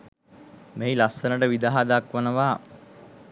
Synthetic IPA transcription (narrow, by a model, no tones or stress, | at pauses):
meilasənəʈəʋid̪aɦad̪akʋənəʋaː